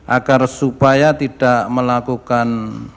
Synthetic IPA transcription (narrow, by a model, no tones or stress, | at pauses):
ʔaɡarsupajat̪id̥aʔməlakukan